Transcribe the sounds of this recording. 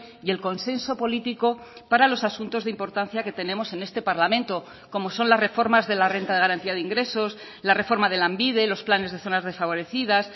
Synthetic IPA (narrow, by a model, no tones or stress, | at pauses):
ie̞lko̞nse̞nso̞po̞lit̪iko̞ | paɾalo̞sasunt̪o̞zðimpo̞ɾt̪anθjake̞t̪e̞nẽ̞mo̞se̞ne̞st̪e̞paɾlamẽnt̪o̞ | ko̞mo̞so̞nlazre̞fo̞ɾmazðe̞lare̞nt̪aðeaɾant̪iaðeiŋɡɾe̞so̞s | lare̞fo̞ɾmaðe̞lambiðe̞lo̞splane̞zð̞e̞θo̞nazð̞e̞sfaβ̞o̞ɾe̞θið̞as